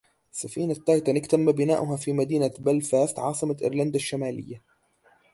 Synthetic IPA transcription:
safiːnat̪ːajt̪anɪkt̪amːabɪnaːʔʊɦaːfiːmad̪iːnabalfaːst̪ʕɑ̰ːsˤɨmaʔɪ̰ɾland̪aʃːamaːlɪ̰jːa

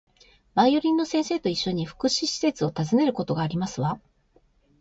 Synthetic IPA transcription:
maijo̞ɾʲĩnːo̞sẽ̞ɰ̃se̞ːt̪o̞iɕːo̞ɲ̟iɸɯ̥kɯ̟ɕiɕi̥se̞t͡sɨo̞t̪azɨne̞ɾɯ̟ko̞t̪o̞ɡaːɾʲimasɨβa

